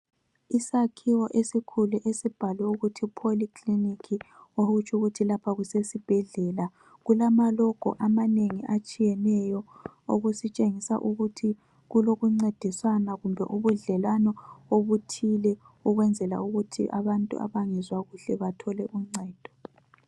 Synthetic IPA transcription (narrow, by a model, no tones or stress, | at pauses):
isakʰiwɔʔesikʰuluʔesib̥ʱalwɛuɣutʰipʰolikʰlinikʰioɣut͡ʃʰʼuɣutʰilapʰaɣusesib̥ʱɛɮɛla | ɣulamalɔɡ̥ʱɔ̰ʔamaneŋiʔat͡ʃʼijɛnɛjɔo̰ɣusit͡ʃʼeŋisa̰ʔuɣutʰi | ɣuloɣuŋ͡ǀed̥ʱiswanaɣumbʱɛʔuβuɮɛlwanɔoβutʰilɛ | uɣwɛnd͡zʱɛla̰uɣutʰḭʔa̰βantʼṵʔa̰βaŋɛzwaɣuɬɛβatʰɔlɛʔuŋ͡ǀɛːd̥ʱɔ̥